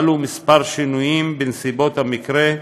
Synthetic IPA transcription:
lumispaʁʃinujimbensibo̞t̪hamikʁe

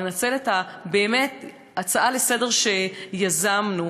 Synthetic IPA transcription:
enat͡se̞letabe̞ːme̞t | at͡saʔalesede̞ʁʃe̞jazamnu

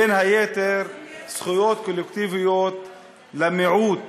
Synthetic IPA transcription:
ɪnhajeːt̪eɾsχʊjoːt̪̚kolːekt̪ivɪjoːt̪ | lamɪʕuːt̪̚

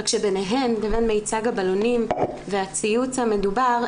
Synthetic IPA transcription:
kʃebe̞neɦe̞mdavenmejt͡saɡabalonimveat͡sijut͡shame̞dubaʁ

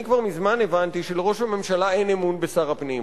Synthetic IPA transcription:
ikvaʁmizmane̞vant̪iʃeleʁo̞ʃhame̞mʃalae̞jnemunbesaʁapnim

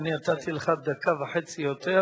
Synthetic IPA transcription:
niat̪at̪ileχad̪akavaħet͡sijot̪e

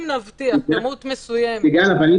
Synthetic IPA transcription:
mnavt̪iamut̪mesujamiɡalavani

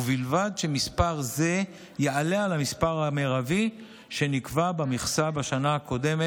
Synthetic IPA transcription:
vilvad̪ʃe̞mispaʁze̞ | jealealamispaʁameʁavi | ʃe̞nikvabamiχsabaʃanaako̞d̪e̞me

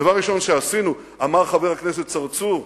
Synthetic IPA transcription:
avaʁːiʃo̞nʃeasinu | amaʁχave̞ʁhaknes̬et̪̚t͡saʁt͡suʁ

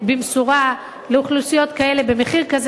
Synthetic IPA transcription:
bimsuʁa | leuχlusijo̞t̪kae̞le̞bemeχiʁkaz

